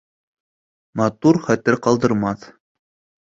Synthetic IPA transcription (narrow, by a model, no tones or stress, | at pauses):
mɑt̪uɾχæt̪ɘɾqɑlˠd̪ɤ̆ɾmɑθ